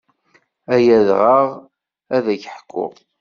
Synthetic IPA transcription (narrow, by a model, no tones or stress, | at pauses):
æjæðʁəʁ | æðæçħkʰʷːʊ̰